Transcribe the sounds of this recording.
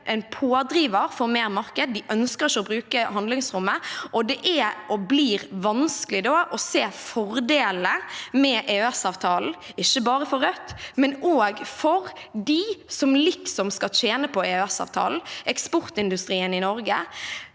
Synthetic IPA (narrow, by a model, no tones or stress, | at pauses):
ʔɛnpʰoːd̪ɾiːʋəɾfɔɾmeːɾmɑɾkəd̪̚ːɪʔœnskəɾʃɔbɾʉːkəɦɑnd̪lɪŋsɾʊmːəʔɔd̪ɛʔæʔɔbliːɾʋɑnskəlɪd̪oːʔɔseːfɔɾd̪eːləmɛʔeːʉɛsɑːʋt̪ʰɑːln̩ | ɪçːəbɑːɾəfɔɾœt̪ːmɛnoːɡfɔɾd̪isɔmlɪksɔmskɑt͡ʃeːnəpʰɔeɛsɑ̰ːʋt̪ʰɑ̰ːln̩ɛkspʊɾt̪ɪnd̪ʉst̪ɾiːənɪnɔɾɡə̰